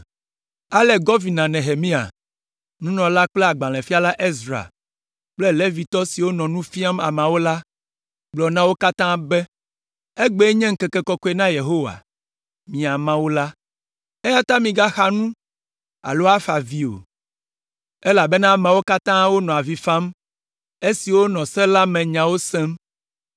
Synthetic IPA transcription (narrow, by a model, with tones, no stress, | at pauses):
a˦lɛ˨ɡɔ˦vi˨nã˨nɛ̃˨ɦe˨mĩ˦a̰˨ | nũ˦nɔ̃˨la˦k͡plɛ˦a˨ɡ͡bã˨lɛ̃˨fi˦a˦la˦ʔe˦zɾa̰˨ | k͡ple˦le˦vi˨t̪ɔ˦si˨wo˦nɔ̃˨nũ˦fi˦a˦ma̰˨mã˨wo˦la˦ | ɡ͡blɔ˨nã˦wo˦ka˦t̪ã˦bɛ˦ | e˦ɡ͡be˨˦ɲɛ̃˦ŋ̩˦kɛ˨kɛ˨kɔ˦kɔ˦e˨nã˦je˨ɦo˦wa̰˨ | mĩ˨a˨mã˦wo˦la˦ | e˦ja˦t̪a˦mĩ˨ɡa˦xa˦nũ˦ | a̰˨lo˦a˦fa˨vi˦o̰˨ | ɛ˦la˨bɛ˦nã˦mã˨wo˦ka˦t̪ã˦wo˦nɔ̃˨a˨vi˨fã˦m | e˦si˨wo˦nɔ̃˨sɛ̃˦la˦mɛ̃˨ɲã˨wo˦sɛ̃˦m